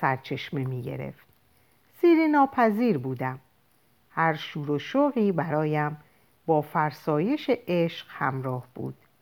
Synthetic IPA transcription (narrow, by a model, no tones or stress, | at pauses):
sæɾt͡ʃʰe̞ʃmemiːɟḛɾe̞̰ft̪̚ | siːɾinɒːpʰæziːɾbuːd̪æm | hæɾʃuːɾoʃoɣiːbæɾɒːjæm | bɒːfæɾsɒːje̞ʃeʔeʃqhæ̰mɾɒːhb̥ṵːd̪̥